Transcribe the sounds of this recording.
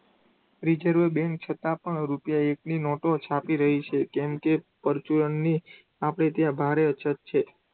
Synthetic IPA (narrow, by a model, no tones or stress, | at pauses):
ɾid͡ʒəɾʋəbɛ̃ŋk̚t͡ʃʰət̪ãpəɳɾupjaekninɔʈot͡ʃʰapiɾəɦit͡ʃʰekɛmkepəɾt͡ʃuɾənːi | apɽ̃et̪jãbʱaɾeət͡ʃʰət̪̚t͡ʃʰe